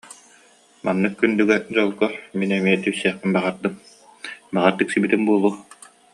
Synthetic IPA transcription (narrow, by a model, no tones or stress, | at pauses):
manːɯkːynd̪yɡɛd͡ʑɔlˠkɔminɛmiɛt̪isɛːχpinbaʁaɾd̪ɯm | baʁaɾt̪ɯksibit̪inbuɔlˠuɔ